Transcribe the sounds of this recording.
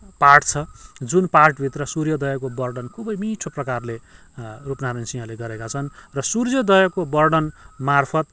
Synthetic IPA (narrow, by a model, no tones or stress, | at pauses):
parʈt͡sʰʌd͡zunparʈbʱit̪rʌsuɾjʌd̪ʌjʌkobʌrɖʌnkʰubʌjmiʈʰoprʌkarle | rupnaɾensiʌleɡʌɾekat͡sʰʌnrʌsurjʌd̪ʌjʌkobʌrɖʌnmarpʰʌt̪̚